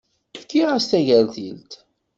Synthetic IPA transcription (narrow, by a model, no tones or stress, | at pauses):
θkːiʁast̪æʝælθilt̪